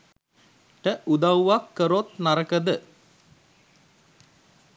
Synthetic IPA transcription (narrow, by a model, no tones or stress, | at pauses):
ʈəʔud̪awʋakːəɾot̪naɾəkəd̪ə